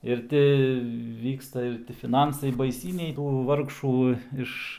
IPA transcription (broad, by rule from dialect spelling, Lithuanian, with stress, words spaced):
ɪr ˈtʲɪ ˈʋʲiːkstɐ ɪr tʲɪ fʲɪˈnɐnsɐɪ bɐɪˈsʲiːnʲɛɪ tuː ˈʋɐrkʃuː ˈɪʃ